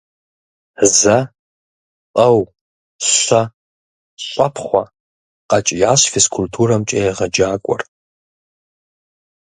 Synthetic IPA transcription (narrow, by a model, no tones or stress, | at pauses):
zɐ | qʼɐw | ɕʷɐ | ɕʷʼapʰχʷɐ | qɐt͡ʃʼjaːɕfeskʰultʰuːɾɐmt͡ʃʼejʁɐd͡ʒaːkʷʼɔ̰r